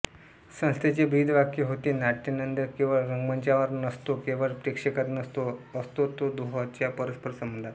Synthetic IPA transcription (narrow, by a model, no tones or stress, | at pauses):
sə̃st̪ʰet͡ɕebʱiːd̪ʱʋakiɦot̪iːnaʈːinənd̪əɾkĩw̃ʋaɾəŋɡməɲt͡ɕjaʋəɾnəst̪okeʋəɾpɾikʂekət̪nəst̪oəst̪ot̪od̪oɦət͡ɕjapəɾəspəɾsəmbənd̪ʱat̪